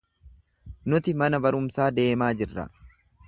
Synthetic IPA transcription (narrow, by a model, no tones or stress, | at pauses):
nʊt̪ɪmɐnɐbɐɾʊmsaːd̪e̞ːmaːd͡ʒɪrːɐ̰